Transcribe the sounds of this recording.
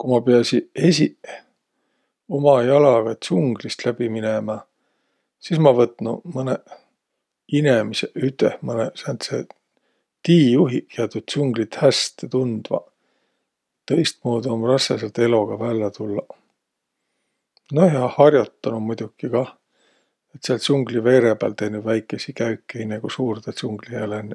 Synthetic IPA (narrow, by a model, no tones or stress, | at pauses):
kumɑpeɑsie̞sʲi | o̞mɑjɑlɑɡ̥ɑt̪suŋɡ̥list̪læb̥iminemɑ | sismɑvɤt̪ˑnṵmɤne | inemiseʔyt̪ːˑehmɤnesænt̪sḛ | t̪iːjuɦieɑt̪ud̪̥̚t͡ɕuŋɡ̥lit̪hæst̪et̪und̪̥vɑ̰ | t̪ɤ̞jst̪̚moːd̪uɑmrɑsːeselt̪e̞lo̞ɡ̥ɑvælʲːɑt̪ulːɑ | nojɑhɑrjot̪ˑːɑnumujd̪̥ʲukːikɑ | et̪seɑlsuŋɡ̥live̞ːɾeb̥æ̰lt̪e̞jnud̪væjkːˑesikæykːˑehinæɡ̥usuːrd̪esuŋɡ̥liælen